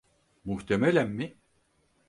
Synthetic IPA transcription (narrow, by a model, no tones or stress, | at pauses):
muht̪ʰemelʲænmi